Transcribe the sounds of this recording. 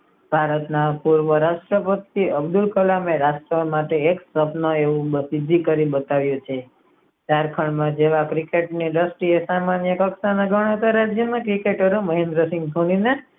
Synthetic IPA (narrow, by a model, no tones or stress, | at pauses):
bʱaɾət̪napuɾʋəɾaʃʈɾəpət̪iəbd̪ulkəlameɾasʈɾəmaʈeːksəpnoeʋũbəsid̪ʱːikəɾibət̪aʋjut͡ʃʰe | t̪aɾkʰəɳmãd͡ʒeʋakɾikeʈniɾəsʈiesamanjəkəksanaɡʱəɳ̃ət̪aɾad͡ʒjəmãkɾikeʈəɾeməɦẽnd̪ɾəsɪ̃ŋɡ̚d̪ʱonine